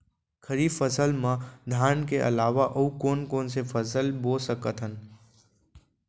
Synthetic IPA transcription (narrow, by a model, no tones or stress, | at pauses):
kʰəɾiːfəsəlmãd̪ʱaːnkeʔə̰laːʋaʔɐukoːnkoːnsefʰəs̬əlbosəkət̪ɦən